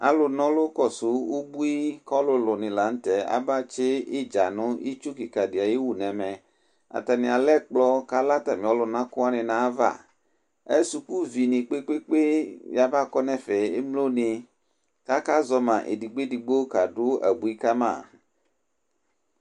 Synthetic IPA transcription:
a̰˨lʊ˨nɔ̃˦lo˦kɔ˨su˨˦wo˦bu˦i˦kɔ˦lʊ˦lʊ˨nɪ̃˨la˨˦n̩˦t̪ɛ˨a̰˦ba˦t͡ʃe˦e˦d͡ʒa˨nʊ̃˦i˦t͡ʃu˦ki˨ka˨dɪ˨a˨je˦wu˨nɛ̃˨mɛ̃˨ | a̰˨t̪a˨nɪ̃˨a˨lɛ˦k͡plɔ˦ka˦la˦t̪a˨mĩ˨ɔ˦lʊ˨nã˦kʊ˦a˦nɪ̃˨nã˨˦va̰˦˨ | ɛ˦su˨ku˦vi˨nĩ˨k͡pe˦k͡pe˦k͡pe˦ja˨va˦kɔ˦nɛ̃˨fɛ˨e˦mlo˦nɪ̃˨ | ka˦ka˦zɔ˦mã˨ʔḛ˨di˨ɡ͡be˦di˨ɡ͡be˦o˦ka˨dʊ˦a̰˨bu˨i˦ka˦mã̰˦˨

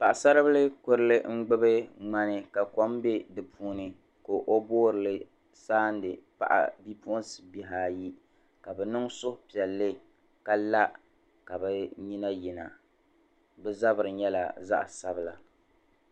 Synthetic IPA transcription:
pa˨ʔa˨sa˦ɾɨ˦bɨ˦lɨ˦kʊ˦ɾɨ˦lɨ˦ŋ͡m̩˦ɡ͡bɨ˦bɨ˦ŋ͡ma˦nɨ˨ka˨ko˦mbe˦dɨ˨pʰuː˦nɨ˨ | ko˨ʔo˦boː˦ɾɨ˨lɨ˦ | saː˦n˦dɨ˨pa̰˨ʔa̰˨bi˦po˦nsɨ˨bi˨ɦaː˦˨ji˦ | ka˨bɛ˨nɨ˦ŋsʊ˦hʊ˨˦pi˨ɛ˨lːɨ˦ | ka˦la˦ | ka˨bɛ˦ɲi˦na˦ji˨na̰˨ | bɛ˦za˦bɨ˨ɾɨ˨ɲɛ˦la̰˨za̰˦ʔsa˦bɨ˦la˨

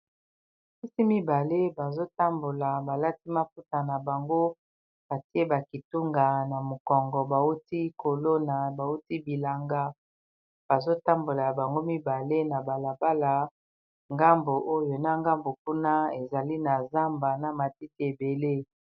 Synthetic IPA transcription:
pi˦si˦mi˦ba˨le˦ba˨zo˦ta˦mbo˨la˨ba˨la˦ti˦ma˦p̚u˦ta˨na˨ba˨ŋɡo˦ | b̥a˨ti˦e˦ba˨ki˨tu˦ŋɡa˨na˨mo˨kɔ˨ŋɡɔ˨ba˨wu˦ti˦kʰo˨lo˦na˨ba˨u˦ti˦bi˨la˨ŋɡa˦ | b̥a˨zo˦ta˦mbo˨la˨ba˨ŋɡo˦mi˦ba˨le˦na˨ba˨la˨ba˦la˨ | ŋɡa˦mbo˨ʔo˦jo˨na˦ŋɡa˦mbo˨k̚u˦na˦e˨za˨li˦na˨za˦mba˨na˨ma˨ti˦ti˦e˨be˨le˦

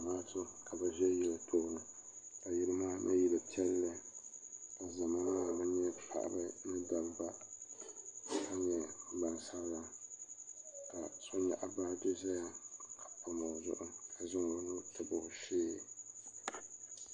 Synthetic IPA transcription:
maː˦tɨ˦ka˨bɨ˨vɛ˦jɛ˦lɨ˨tʰo˦ʔʊ˦nɨ˨ka˨ji˦ɾɨ˦maː˦nʔɨ̰˦ji˦bɨ˨pi˦ɛ˦lːɨ˦ | ka˨za˨ma˦maː˦˨bɨ˦ɲɛ˦pʰa̰˨ʔa̰˨bɨ˦nɨ˦da˨lba˦ | a˦ɲɛ˦ɡ͡ba˨nsa˦ɾla˦ | ka˨so˦ɲɛ̰˨ʔa˨baː˦dʊ˦za˦ja˦ka˨pa˨mo˨zʊ̰˨ʔʊ˦ka˨zɪ˦ŋ˨ba˦nʊ˦tʰɨ˨bʊ˨hʊ˨ʃeː˦˨

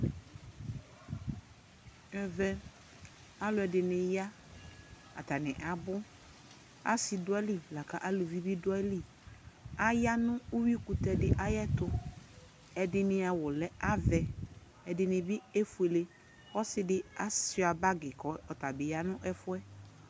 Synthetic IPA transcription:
ɛ˨vɛ˦ | a˦lʊ˨˦ɛ˨dɪ˨nɪ̃˨ja˦ | a̰˨t̪a˨nɪ̃˨ʔa˨bʊ˦ | a̰˦sɪ˨dʊ˦ɛ˦li˨la˨ka˨ʔa˦lo˨vi˦bi˦dʊ˦ɛ˦li˦ | a˦ja˦nʊ̃˦u˦wi˦ku˨t̪ɛ˨dɪ˦ʔa˦jɛ˦t̪ʊ˦ | ɛ˨dɪ˨nɪ̃˨a˨wʊ˨lɛ˦a˦vɛ˨ | ɛ˨dɪ˨nɪ̃˨bɪ˦e˦fu˨e˨le˦ | ɔ˦sɪ˦dɪ˦a˦sɪ˨a˨ba˦ɡɪ˨kɔ˦ɔ˨ta˨bɪ˨ja˦nʊ̃˦ʔɛ˦fʊ˦ɛ˦

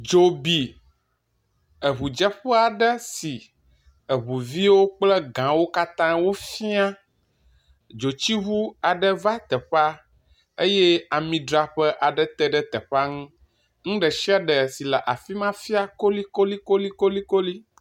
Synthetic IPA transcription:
d͡ʒo˨bi˨ | ə˨βu˨d͡ʒɛ˦ɸɛ˦a˨ɖə˦si˨ | ə˨βu˨vi˦wo˦k͡plə˦ɡã˨wo˦ka˦t̪ã˦wo˦fi˦a˦ | d͡ʒo˨t͡ɕi˦ɦu˦a˨ɖə˦va˦t̪ɛ˨ɸa˦ | e˦jɛ˦a˨mĩ˨ɖɾa˨ɸɛ˦ʔa˨ɖə˦t̪ɛ˦ɖə˦t̪ɛ˨ɸa˦ŋũ˦ | ŋũ˦ɖə˨ʃi˦a˦ɖə˨si˨lɛ˨ʔa˨fi˦mã˦fi˦a˦ko˦li˦ko˦li˦ko˦li˦ko˦li˦ko˦li˦

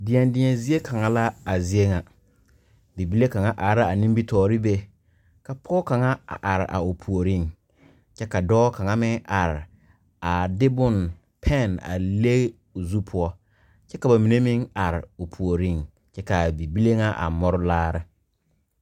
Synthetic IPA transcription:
dɪ˨ɛ˨ndɪ˨ɲɛ˨zi˦e˦kʰa˨ŋa˨la˦a˨zi˦e˦ŋa˨ | bi˨bi˦le˦ka˨ŋa˨ʔa˨˦ɾa˦a˨nĩ˦mbi˦tɔː˨ɾɪ˦be˦ | ka˨pʰɔː˦ka˨ŋa˦a̰˨ʔa˨ɾɪ̰˨ʔa̰˨ʊ˨pʰu˨o˨ɾi˦˨ŋ | t͡ʃɛ˦ka˨dɔː˦ka˨ŋa˦mɪ˦ŋʔa˨ɾɪ˨ | a˨dɪ˦bʊ˦n | pʰɛ˦˨na̰˨le˦ɣ | ʊ˨zu˦pʰʊ˦ɔ˦ | t͡ʃɛ˦ka˨ba˨mi˨ne˦mɪ˦ŋa˨ɾɪ̰˨ʊ˨pʰu˨o˨ɾi˦˨ŋ | t͡ʃɛ˦ka˨bi˨bi˦le˦ŋa˦ʔa̰˨mɔ˦ɾʊ˦laː˦ɾɪ˦

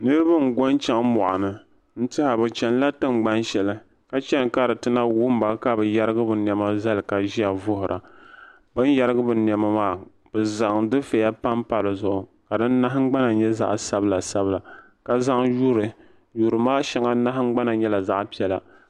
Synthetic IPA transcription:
nɨ˦ɾɨ˦ba˦ŋ̩˨ɡo˦nt͡ʃɛ˦ŋmɔ˨ʔa˨nɨ˨ | n̩˦tɪ˦ha˨bɨ˨t͡ʃɛ˨n˦la˦tɨ˦ŋ͡mɡ͡ba˦nʃɛ˨lɨ˦ | ka˦t͡ʃɛ˦ŋ˨ka˦dɨ˨tɨ˦na˦wʊ˦m˦ba˦ka˦bɨ˨ja˦ɾɨ˦ɡɨ˦bɨ˨n˨ɛ˨ma˦za˦lɨ˨ka˨ʒi˦ja˨vʊ˦hʊ˨ɾʔa̰˨ | bɨ˦n˦ja˦ɾɨ˦ɡɨ˦bɨ˨n˨ɛ˨ma˦maː˦˨ | b̥ɨ˨za˨ŋdɨ˦fe˨ja˦pa˦mpa˨lɨ˨zʊ˦ʔʊ˨ka˨dɨ˦nː˦a˦ɦŋ͡mɡ͡ba˦na˨ɲɛ˦za̰˦ʔsa˦bla˨sa˦bla˨ | ka˨za˦ŋju˦ɾɨ˨ | ju˨ɾɨ˨maː˦ʃɛ˦ŋa˦na˦ɦŋ͡mɡ͡ba˦na˨ɲɛ˦la˨za˦ʔpi˦ɛ˦la˨

